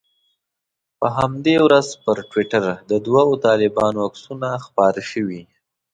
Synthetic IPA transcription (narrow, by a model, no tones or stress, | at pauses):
pəɦamd̪ewɾazpəɾʈwiʈaɾd̪əd̪wɑot̪ɑlɪbɑnoaksunaxpɑɾʃəwi